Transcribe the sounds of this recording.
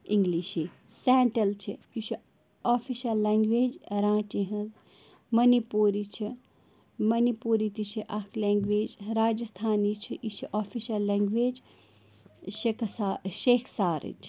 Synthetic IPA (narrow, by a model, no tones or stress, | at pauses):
ĩŋɡliʃi | sɛːɳʈɐlt͡ʃʰijit͡ʃʰi | aːfʰiʃɐlːeːŋɡʋeːd͡ʒɾãːt͡ʃẽɦɐ̃z | mɐnipuːɾit͡ʃʰi | mɐnipuːɾit̪it͡ʃʰiʔɐkʰlẽːŋɡʋeːd͡ʒɾaːd͡ʒɐst̪ʰaːnit͡ʃʰiʔit͡ʃʰiʔaːfʰiʃɐlːeːŋɡʋeːd͡ʒ | ekʰsaʃeːkʰsaːɾḭt͡ʃʰ